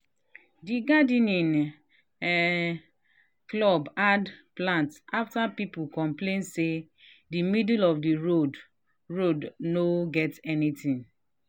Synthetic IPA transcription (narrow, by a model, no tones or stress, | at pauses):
diɡadĩnĩn | klɔbadplãntʔaftapipukɔ̃mplẽnse | dimidulɔfdiɹod | ɹodnoɡɛtɛnitĩn